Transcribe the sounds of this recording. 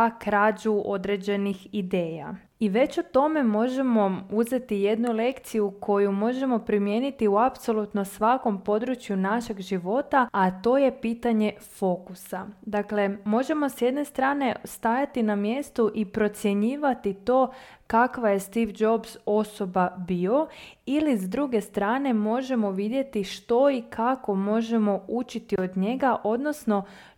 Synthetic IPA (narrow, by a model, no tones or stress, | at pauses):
kɾaːd͡ʒuo̞d̪ɾe̞d͡ʑe̞nixid̪e̞ːja̰ | iʋe̞t͡ɕut̪o̞me̞mo̞ʒe̞mo̞uze̞t̪ije̞d̪nule̞kt̪sijukʰo̞jumo̞ʒe̞mo̞pɾimje̞nit̪iuapso̞lˠut̪no̞sʋako̞mpo̞d̪ɾut͡ʃjunaʃe̞ɡʒiʋo̞t̪aat̪o̞ːje̞piːt̪aɲe̞fo̞kusad̪akle̞mo̞ʒe̞mo̞sjed̪ne̞st̪ɾaːne̞st̪ajat̪inamje̞st̪uʔipɾo̞t̪sje̞ɲiːʋat̪it̪o̞ːkakʋaje̞st̪iʋd͡ʒo̞bzo̞so̞babio̞ilizd̪ɾuɡe̞st̪ɾaːne̞mo̞ʒe̞mo̞ʋid̪je̞t̪iʃt̪o̞ikʰako̞mo̞ʒe̞mo̞ut͡ʃit̪io̞d̪ɲe̞ɡaʔo̞d̪no̞sno̞